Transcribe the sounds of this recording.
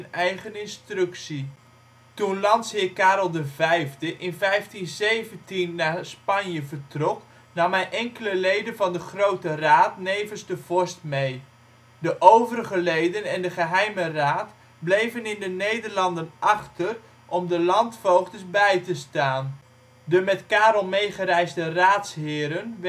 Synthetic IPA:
ənɛjχənɪnstrøksi | tunlɑnshɪəkaːɾəlˠdəvɛjvdəʔɪnvɛjftinzejvəntinːaːspɑnjəvərtrɔk | nɑmɛjʔɛŋkələlejdənvɑndəχrowtəraːtnejvənzdəv̥ɔɹstmej | dəʔowvəɾəɣəlejdənɛndəχəɦɛjməraːt | blejvənɪndənejdərlɑndənɑχtər | ʔɔmdəlɑntfowχtəsbɛjtəstaːn | dəmɛtkaːɾl̩ˠmejχəɾɛjzdəraːtshɪːɾən

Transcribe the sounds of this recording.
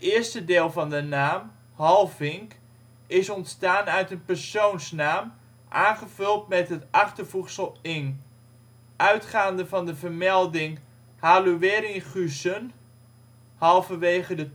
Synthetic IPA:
əɪːɹstədɪːlˠvɑndənaːm | hɑlˠvɪŋk | ɪsɔntstaːnœɥtənpərsownsnaːm | ʔaːnχəvɵlˠtmɛtɦətɑχtərvutsəlˠɪn | ʔœɥtχaːndəvɑndəvərmɛlˠdɪŋ | haluʋɪːɾiχysən | hɑlˠvəʋejχədə

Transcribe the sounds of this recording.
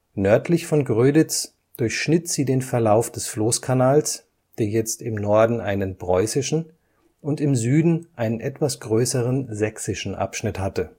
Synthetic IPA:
nœɐtʰlɪçfɔnɡʁøːdɪt͡s | d̥ʊɐçʃnɪtz̥iːdeːnfɛɐlaʊfd̥ɛsfloːskʰanaːls | d̥eːɐjɛt͡stɪmnɔɐdn̩ʔaɪnənpʁ̥ɔʏsɪʃn̩ | ʔʊntɪmzyːdn̩ʔaɪnənʔɛtv̥asɡ̥ʁøːsəʁənzɛksɪʃn̩ʔa̰pʃnɪthatə

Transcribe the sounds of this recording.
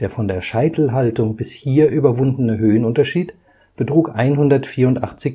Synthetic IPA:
d̥eːɐfɔndeːɐʃaɪtʰl̩ɦaltʊŋbɪshiːɐʔyːbɐvʊndn̩əɦøːənʊntɐʃiːt | b̥ətʁ̥uːkʔaɪnɦʊndɐtfiːɐʊntʔa̰χt͡sɪç

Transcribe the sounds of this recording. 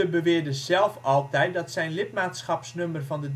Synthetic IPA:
əbəʋɪːɹdəzɛlˠfɑlˠtɛjt̚dɑtsɛjnlɪtmaːtsχɑpsnømərvɑndə

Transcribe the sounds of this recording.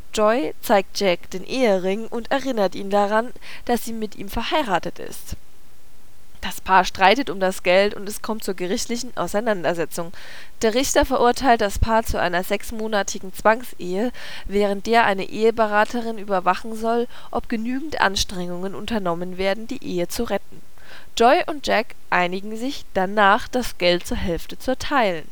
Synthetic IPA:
d͡ʒ̥ɔʏt͡saɪk̚t̚d͡ʒ̥ɛk̚d̥eːnʔeːəʁɪŋʔʊntɛɐʁɪnɐtʔḭːndaʁan | d̥asz̥iːmɪtʔḭːmfɛɐhaɪʁaːtətɪ̰st | d̥aspʰaːɐʃtʁ̥aɪtətʊmdasɡ̥ɛltʊ̰ntɛskʰɔmt̚t͡suːɐɡəʁɪçtlɪçn̩ʔa̰ʊsaɪnandɐzɛt͡sʊŋ | d̥eːɐʁɪçtɐfɛɐʔʊɐtʰaɪlt̚d̥aspʰaːɐt͡suʔa̰ɪnɐzɛksmoːnatʰɪɡŋ̩t͡sv̥aŋseːə | vɛːʁ̞ənt̚d̥eːɐʔaɪnəʔeːəbəʁaːtʰəʁɪnyːbɐvaχn̩zɔl | ʔɔpɡ̥ənyːɡŋ̩tʔa̰nʃtʁ̥ɛŋʊŋənʊ̰ntɐnɔmənveːɐdn̩diːʔeːət͡suʁɛtn̩ | d͡ʒ̥ɔɪʔʊnt̚d͡ʒ̥ɛk | ʔaɪnɪɡŋ̩zɪçd̥anaːχd̥asɡ̥ɛltt͡suːɐɦɛlftət͡suɛɐtʰaɪlən

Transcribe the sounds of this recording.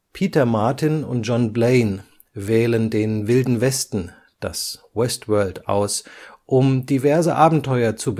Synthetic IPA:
pʰiːtɐmaɐtɪnʊ̰nt̚ʒ̥ɔnbleɪn | vɛːləndeːnvɪldn̩vɛstn̩ | d̥aswɛstv̥ɜɐltʔa̰ʊsʔʊmdivɛɐzəʔaːbm̩tʰɔʏɐt͡sub

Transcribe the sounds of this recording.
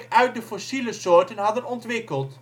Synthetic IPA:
kœɥt̚dəfɔsiləsoːɹtənɦɑdənɔntʋɪkəlˠt

